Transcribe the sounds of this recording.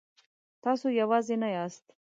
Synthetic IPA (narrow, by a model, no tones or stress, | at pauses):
t̪ɑsojawɑzenajɑst̪